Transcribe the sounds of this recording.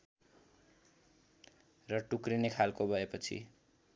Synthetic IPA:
rʌʈukrinekʰalkobʱʌepʌt͡sʰḭ

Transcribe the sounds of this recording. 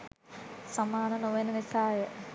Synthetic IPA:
sɐmaːnɐnoʋɐnɐʋisaːjɐ

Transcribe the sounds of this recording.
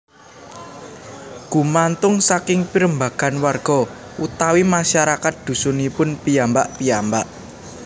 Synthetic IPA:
ɡ̥ṳmant̪ʊŋsakɪŋpiɾəmbaɡ̥a̤nwarɡ̥ɔ̤ | ʔut̪awimaʃaɾakat̪̚d̪̥ṳsʊnipʊnpijambaʔpijambaʔ

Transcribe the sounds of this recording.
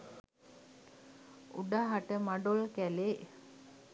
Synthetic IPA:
ṵɖaɦaʈəmaɖolkæleː

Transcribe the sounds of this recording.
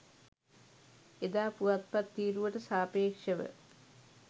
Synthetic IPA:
ed̪aːpuʋɐt̪̚pɐt̪ːiːɾuʋɐʈɨsaːpeːkʂɐʋə̰

